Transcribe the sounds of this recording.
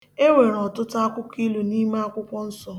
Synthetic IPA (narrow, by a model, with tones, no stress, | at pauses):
e˦wʷe˨ɾɔ˨tʊ˦ta˦a˦kʷʊ˦ki˦lu˨ni˦ma˦a˦˨kʷʊ˦kʷɔ˦n̩˦sɔ˨